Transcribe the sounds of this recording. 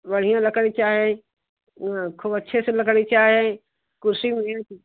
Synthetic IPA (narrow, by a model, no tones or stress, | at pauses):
ʋɐɽ̤ijãlɐkəɽit͡ʃaːɦiẽ | kʰuːbɐtːʃʰeselɐkəɽit͡ʃaːɦẽ | kʊɾsimẽ